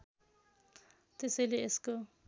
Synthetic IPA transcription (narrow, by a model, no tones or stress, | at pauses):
t̪esʌjleːsko